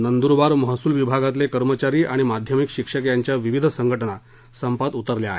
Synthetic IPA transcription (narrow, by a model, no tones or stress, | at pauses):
nənd̪uɾbaɾməɦəsuːlʋibʱaɡat̪lekəɾmət͡ɕaɾiːʔaɽ̃imad̪ʱjəmikɕikʂəkjaɲt͡ɕjaʋiʋid̪ʱsəŋɡʱəʈəna | səmpat̪ut̪əɾljaɦe